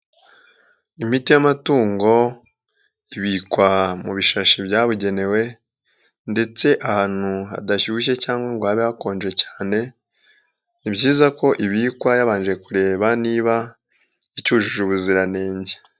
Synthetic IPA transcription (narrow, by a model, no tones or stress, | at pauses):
im̥itijamatuːŋɡo̞ | iβikwamuβiʃaʃibɟaːβuɟe̞ne̞we̞ | nde̞t͡se̞ʔahaːn̥huɦa̰daʃuʃ̬e̞caːŋɡwaŋɡwaːβehako̞ːnd͡ʒe̞cḁːne̞ | nibɟiːzako̞ʔiβiːkwajaβaːnd͡ʒekuɾe̞ːβaniːβa | icuːʒuʒuβuziɾane̞ːɲɟe